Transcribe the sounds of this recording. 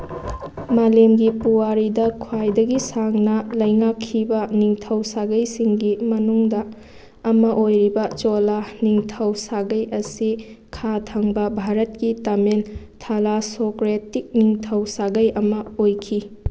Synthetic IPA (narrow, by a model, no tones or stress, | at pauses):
malemɡipuwaɾidɐkʰwajdɐɡisaŋnɐlɐjŋakʰːibɐniŋtʰɐwsaɡɐjsiŋɡimɐnuŋdɐː | mɐʔojɾibɐt͡ʃolaniŋtʰɐwsaɡɐjʔɐsikʰatʰɐŋbɐbʱaɾɐt̚kitɐmen | tʰɐlasokɾetik̚niŋtʰɐwsaɡɐjɐmɐojkʰi